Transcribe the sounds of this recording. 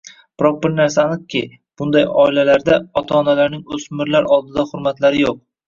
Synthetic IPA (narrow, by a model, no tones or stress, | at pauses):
b̥ɪɾɒq̚bɪɾnaɾsanɨq̚kʲʰɪ | b̥ʊnd̪ajɒɪlalaɾd̪aɒt̪ʰɒːnalaɾnɪŋɵsmɪɾlaɾɒlˠd̪ɪd̪ahʊɾmat̪laɾɪjoq̚